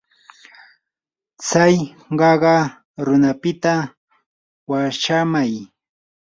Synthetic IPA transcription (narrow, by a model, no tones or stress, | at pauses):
t͡saj | ɢɑɢɑ | ɾʊnapɪt̪a | waʃamaj